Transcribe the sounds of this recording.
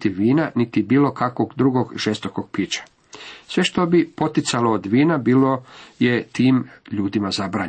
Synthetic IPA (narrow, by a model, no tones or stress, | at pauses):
t̪iʋiːnanit̪ibiːlo̞kakʋoɡd̪ɾuɡo̞ɡʒest̪okoɡ̥̚piːt͡ɕḁ | sʋe̞ʃt̪o̞bipo̞t̪it̪saloːd̪ʋiːnabiːloje̞t̪iːmʎuːd̪imazabɾaː